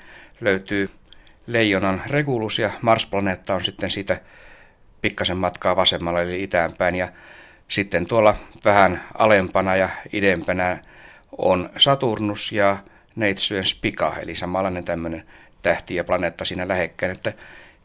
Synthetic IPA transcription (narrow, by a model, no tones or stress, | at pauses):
løyt̪yː | leijːonɑnrekulusjɑmɑrsplɑneːt̪ːɑonsit̪ːensiːt̪æ | pikːɑsemmɑt̪kɑːʋɑsemːɑlːɑeliit̪æmpæinjɑ | sit̪ːent̪uolːˑɑʋæhænɑ̰lempɑnɑjɑidempænæ | o̰nsɑt̪urnusjɑ | neit̪syenspikɑ̰ḛlisɑmɑlːˑɑinent̪æmːønent̪æht̪iæplɑneːt̪ːɑsiːnælæhekːæːnet̪ːæ